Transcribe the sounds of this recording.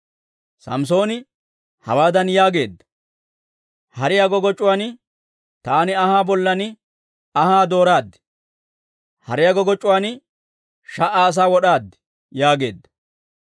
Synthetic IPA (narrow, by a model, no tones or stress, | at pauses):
sɐ̰ms̬o̞ːnɪ | hɐwaːd̪ɐnjaːɡe̞̰ːd̪ːɐ̥ | hɐɾɪjaɡɔɡɔt͡ʃʼːʊwaːnɪ | t̪aːnɪɐhaːbɔlːɐnɪ | ɐhaːd̪o̞ːɾaːd̪ːɪ̥ | hɐɾɪjaɡɔɡɔt͡ʃʼːʊwaːn | ʃɐʔaːs̬aːwɔɗaːd̪ːɪ̥ | jaːɡe̞ːd̪ːɐ